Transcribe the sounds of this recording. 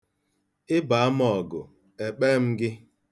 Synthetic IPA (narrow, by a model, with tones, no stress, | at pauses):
ɪ˦ba˨a˦mɔ˨ɡʊ̰˨ | e˨k͡pe˦m̩˦ɡɪ˦